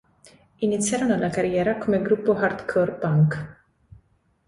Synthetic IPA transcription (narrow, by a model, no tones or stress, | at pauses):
ɪnɪt͡sːjɐɾɔnɐlɐkɐɾjɛːɾɐkumɛɡɾupːuħɐɾt̪kʰɔɾpɐŋk